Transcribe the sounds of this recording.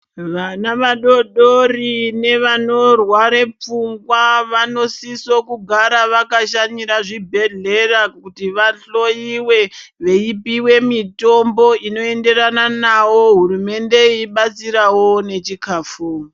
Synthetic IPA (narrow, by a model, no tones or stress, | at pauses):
ʋanaʋaɗo̞ɗorine̞ʋano̞rwaɾe̞p͡fuŋɡwaʋanosisokuɡʱaɾaʋakaʃaɲiɾaʐibʱe̞ɮe̞rakutiʋaɬo̞iwe̞ʋe̞ipiwe̞mito̞mbo̞ino̞e̞nde̞ɾananawo̞ɦuɾume̞nde̞iːɓat͡siɾawo̞ne̞t͡ʃikaːfoːm